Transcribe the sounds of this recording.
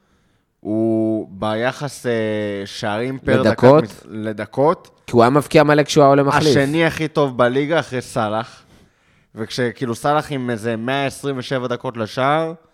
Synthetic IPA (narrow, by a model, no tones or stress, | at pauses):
ubajaχaseʃaːʁimpeeʁd̪akot̪led̪ako̞t̪ | kiuamafkiamalekʃeuaolemaalʃiʃeniaχit̪o̞vbaliɡaːχʁejsalaχ | vekʃekiːlusalaχimezemeaesʁimveʃe̞vad̪ako̞t̪leʃaːʁ